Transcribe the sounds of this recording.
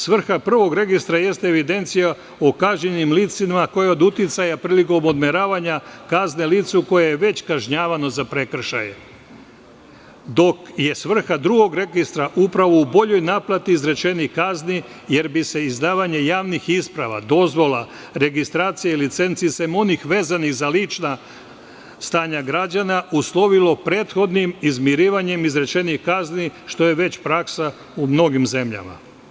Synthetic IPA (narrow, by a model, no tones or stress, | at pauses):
sʋr̩xapr̩ʋo̞ɡɾe̞ɡist̪ɾaje̞st̪eeʋid̪e̞nt̪sija | okaʒɲenimliːt̪simako̞jao̞d̪ut̪it̪sajapɾiːliko̞mo̞d̪me̞ɾaːʋaɲakazneliːt̪suko̞jejeʋe̞t͡ɕkaʒɲaːʋano̞zapɾe̞kr̩ʃa̰jḛ | d̪o̞kje̞sʋr̩xad̪ɾuɡo̞ɡɾe̞ɡist̪ɾaʔupɾaʋoubo̞ʎo̞jnaːplˠat̪iːzɾet͡ʃe̞nikazni | je̞ɾbise̞izd̪aːʋaɲe̞jaːʋnixispɾaʋa̰d̪o̞zʋo̞la | ɾe̞ɡist̪ɾaːt̪sijeilit̪se̞nt̪sisemo̞nixʋe̞ːzanixzalit͡ʃna | st̪aːɲaɡɾad͡ʒanaʔuslˠo̞ʋilo̞pɾe̞ːt̪xo̞d̪nimizmjiɾiːʋaɲe̞mizɾe̞t͡ʃe̞nixkazniʃt̪o̞je̞ʋe̞t͡ɕpɾaksa | umno̞ɡimze̞mʎa̰ma̰